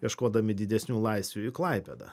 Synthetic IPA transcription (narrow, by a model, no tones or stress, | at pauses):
jʲiɛʃkoːd̪ɐmʲɪd̪ʲɪd̪ʲɛsʲnʲuːlˠɐɪsʲʋʲuːɪklˠɐɪpʲɛd̪ɐ̰